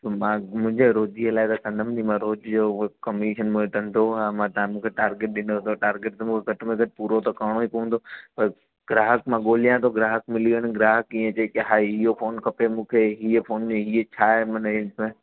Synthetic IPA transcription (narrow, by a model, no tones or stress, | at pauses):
t̪omãːmʊ̃ɦɪ̃ɲd͡ʑeɾoːd͡ʒiəlaːɪt̪ɐsɐ̃nd̪əmdimãɾoːd͡ʑd͡ʑoːkɐmiːʃənmũẽʈ̪ʰɐ̃nɪd̪oɛmãt̪ɐ̃mũːkʰeʈaːɾɡeʈ̚ɗɪnot̪oʈaːɾɡɪʈ̚t̪mũːkʰeɡʱɐʈmẽɡʱɐʈpuːɾot̪ɐkaːɽ̃oipɐʋə̃nd̪opɐɾ | ɡɾaːɦəkmãːɠoːlijãt̪ʰoɡɾaːɦəkmɪliːəɽ̃ʊ̆ɡɾaːɦəkĩːə̃t͡ɕeːkɪɦaːiɦiɦofʰoːnkʰɐpemũːkʰeɦiəfʰoːnmẽɦiət͡ɕʰaːɦemɐnɪlsmẽː